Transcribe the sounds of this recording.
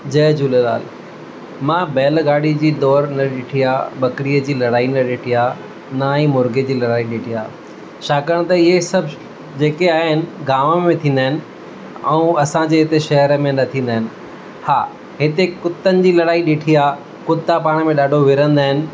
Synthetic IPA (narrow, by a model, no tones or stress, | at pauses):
d͡ʑɐːd͡ʑuːlela̰ːl | mãːbɛːlɡaːɽid͡ʑiːd̪ɔːɾnɐɗɪʈʰijaːɓɐkɽijəd͡ʑiːlɐɽaːinɐɗɪʈʰijaː | naːĩmʊɾɡed͡ʑiːlɐɽaːiɗɪʈʰijaː | ʃaːkəɽ̃t̪ɐɪɦesɐbʱ | d͡ʑeːkeaːɦɪnɪ̆ɡaːməmẽt̪ʰĩːn̆d̪aːɪnɪ̆ | ɛ̃ũɐsãd͡ʑeːɦɪt̪eʃɐɦəɾəmẽnɐt̪ʰĩːnd̪aːɦɪnɪ̆ | haː | ɦɪt̪ekʊt̪ːənɪ̆d͡ʑiːlɐɽaːiɗɪʈʰijaː | kʊt̪ːapaːɽ̃ə̆mẽɗaːɖʱoʋɪɾə̃nd̪aːɦɪnɪ̆